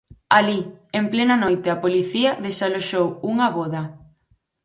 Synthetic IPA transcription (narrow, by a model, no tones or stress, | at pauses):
aliemplenɐnojt̪ɪapoliθiɐðesaloʃowuŋɐβɔðɐ